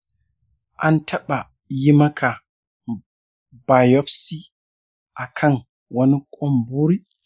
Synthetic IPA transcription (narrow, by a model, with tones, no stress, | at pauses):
ʔa˨ntʰa˦ɓa˨ | ji˦ma˦kʰa˨ | ba˨jɔ˦fsi˦ | ʔa˨kʰa˦n | wa˦ni˦kʼɔ˦mbu˦ɾi˦